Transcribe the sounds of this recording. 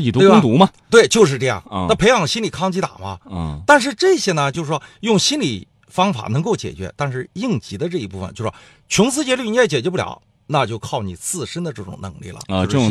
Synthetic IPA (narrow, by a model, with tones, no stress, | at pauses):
i˨˩t̪u˥e˥˩˥t̪u˧˥mɐ˧t̪we˥˩ɪt͡ɕjo˥˧ʊʂɻ̩˥˧ʈ͡ʂɤ˥˧jɑ̰˥˩ŋ˥˧a˥˩pʰe˧˥ɪxɑ˨˩ŋɕi˥nli˨˩kʰɑ˥ŋt͡ɕʰi˧˥t̪a̰˨˩mɐ̰˦˧t̪a˥˧nʂ̬ɻ̩˥˧ʈ͡ʂɤ˥˩ɕjɛ˥nə˨t͡ɕjo˥˧ʂɻ̩˧˩ʂwɔ˥jʊ˥˩ŋɕi˥nli˨˩ | fɑ˥ŋfa̰˨˩nɤ˧˥ŋko˥˩ʊt͡ɕjɛ̰˨˩t͡ɕɥɛ̰˧˥t̪a˥˧nʂɻ̩˥˧i˥˩ŋt͡ɕi˧˥d̪ə˧ʈ͡ʂɤ˥˩i˧˥pu˥˩ə̰˩nt͡ɕjʂɔ˥ | t͡ɕʰʊ˧˥ŋt͡sʰɹ̩˥t͡ɕjɛ˧˥ly˥˩ni˧˥t͡st͡ɕjɛ˨˩t͡ɕɥɛ˧pu˥˩ljɑ̰˨˩˦ʊ | na˥˧t͡ɕjo˥˧ʊkʰɑ˥˩ʊnḭ˨˩t͡sʰɹ̩˥˩ʂə˥nd̪ə˧ʈ͡ʂɤ˥˩ʈ͡ʂʊ̰˨˩ŋnɤ̰˧˥ŋlḭ˥˩lə̰˩˧ʈ͡ʂɤ˥˧˩